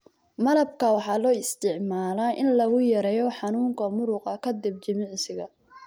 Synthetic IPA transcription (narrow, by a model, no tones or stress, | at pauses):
mɐlɐb̚kʰɐwɑħɑːlɔːɪst̪ʰɪʕmaːlaʔɪnlɐɣʊjɐɾɛːjɔħɑnuːŋkʰɐmʊɾʊqɐkʰɐd̪ɪb̚t͡ʃɐmɪʕsɪɣɐ